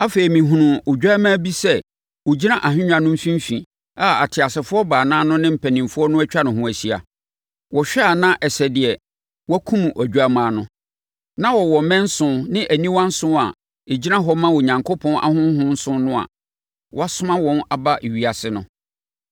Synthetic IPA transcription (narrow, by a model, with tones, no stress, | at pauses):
a˦fe˨i˨mĩ˨ɦũ˨nʊ̃˨ʊ˨d͡ʑᶣa˦mã˦bi˦sɛ˦ | wʊ˨d͡ʑi˦nã˦ʔa˨ɦɪ̃˦ɲᶣã˨nʊ̃˦m̩˦fĩ˦m̩˦fĩ˨ | a˦a̰˨tʰɪ˨a˨sɪ˨fʊ˦ɔ˦baː˨nãː˦nʊ̃˦nɪ̃˦m̩˨pʰæ˨nĩ˨mfʊ˦ɔ˦nʊ̃˦æ˦t͡ɕᶣa˦nʊ̃˨ɦʊ̃˦˨æ˨si˦a̰˨ | wɔ˨ɕᶣɛ˦a˨nã˦ʔɛ˨sɛ˨dɪ˨ɛ˨ | wɔ˦kʰũ˦m̃˨ʔɔ˨d͡ʑᶣa˦mãː˨nʊ̃˦ | nã˦wɔ˨wɔ˨mɛ̃˦n̩˦sʊ̃˦nɪ̃˦ʔæ˨nĩ˦wã˦n̩˦sʊ̃˦a̰˨ | e˨d͡ʑi˦nã˦ɦɔ˦mã˦wo˨ɲã˨ŋkʰo˦pʰɔ̃˦nʔa̰˦hʊ̃˦ɦʊ̃˦n̩˦sʊ̃˦nʊ̃˦a̰˨ | wɔ˦a˦sʊ˦mã˦wɔ̃˦na˨ba˦ʔe˨ɥi˨a˨sɪ˦nʊ̰̃˨